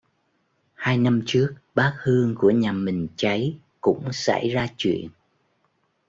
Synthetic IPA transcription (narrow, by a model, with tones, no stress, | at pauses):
haː˧jna˧mt͡ɕɨ˦˥ək̚ɓaː˦˥k̚hɨ˧əŋku˧˩əɲaː˨˩mï˨˩ŋ̟t͡ɕa˨˦j | kʊ̰˧˥ŋ͡msa̰˧˩jzaː˧t͡ɕwḭ˧˨ən